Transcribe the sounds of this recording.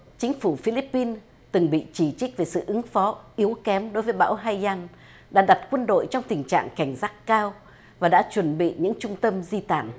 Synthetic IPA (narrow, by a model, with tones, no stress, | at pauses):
t͡ɕï˨˦ŋ̟fu˧˩fi˧li˦˥pːi˧n | t̪ɨ˨˩ŋɓḭ˧˨t͡ɕi˧˩t͡ɕï˦˥k̚ve˨˩sɨ̰˧˨ʔɨ˨˦ŋfɔ˨˦ʔi˨˦əwkɛ˨˦mɗo˨˦jvəː˨˦jɓa̰ː˧˥wɦa˧jza˧n | ɗa̰ː˧˥ɗa˨˩t̚kwə˧nɗo̰˧˨jt͡ɕɔ˧wŋ͡mt̪ï˨˩ŋ̟t͡ɕa̰ː˧˨ŋka˧˩jŋ̟zaː˦˥kkaː˧w | vaː˨˩ɗa̰ː˧˥t͡ɕwə˨˧˩nɓḭ˧˨ɲɨ̰˧˥ŋt͡ɕʊ˧ŋ͡mt̪ə˧mzi˧t̪a̰ː˧˩˨n